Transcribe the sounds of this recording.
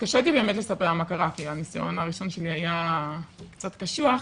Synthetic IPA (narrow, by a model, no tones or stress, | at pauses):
kaʃet̪ibe̞ːme̞t̪le̞sapeʁamakaʁakianisa̰jo̰naʁiʃo̞nʃe̞liaja | kt͡sat̪kaʃuaχ